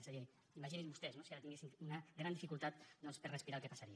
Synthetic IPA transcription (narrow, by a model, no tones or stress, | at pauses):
saje | imaʒininβust̪ɛznosiaɾat̪iŋɡesiŋunaɣɾand̪ifikulˠt̪at̪̚d̪ɔnspəɾrespiɾalˠkepasaɾi